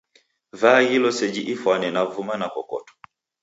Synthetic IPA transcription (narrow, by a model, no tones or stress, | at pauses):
vaɣilɔsɛd͡ʒiʔifwanɛnavumanakɔ̰kɔ̰tɔ̥